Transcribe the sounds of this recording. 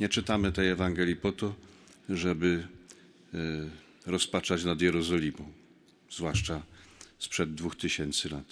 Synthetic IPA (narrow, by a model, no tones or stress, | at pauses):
ɲɛt͡ʂɘt̪amɘt̪ɛjɛvaŋɡɛlʲjipɔt̪ɔʐɛbɘ | ɾɔspat͡ʂat͡ɕnad̪jɛɾɔzɔlʲimɔ̃w̃ | zvwaʂt͡ʂaspʂɛd̪ːvuxt̪ɘɕɛnt̪sɘlat̪